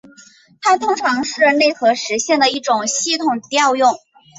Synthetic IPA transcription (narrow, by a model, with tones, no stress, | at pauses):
t̪ʰa˥t̪ʰʊ˥ŋʈ͡ʂʰɑ˧˥ŋʂɻ̩˥˧ne˥˩ɪxɤ˧˥ʂɻ̩˧˥ɕjɛ˥˩nd̪ə˩i˥˩ʈ͡ʂʊ˨˩ŋɕi˥˩t̪ʰʊ˨˩ŋt̪jɑ˥˧ʊjʊ˥˩ŋ